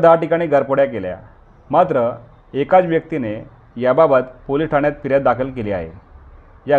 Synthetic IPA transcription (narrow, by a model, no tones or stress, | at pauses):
d̪aʈikaɽ̃iːɡəɾpoɽjakelja̰ | mat̪ɾə | ekat͡sʋjək̚t̪ine | jababət̪poliʈʰaɳjat̪̚piɾjat̪̚d̪akʰəlkeliːa̰ɦḛ | ja